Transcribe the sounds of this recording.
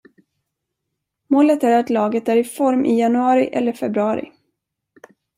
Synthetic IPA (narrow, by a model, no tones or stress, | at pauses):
moːlət̪æɾat̪lɑːɡət̪æɾɪfɔɾmʔɪjanɵɑːɾɪʔɛ̰lːəɾfɛbɾɵɑːɾɪ̰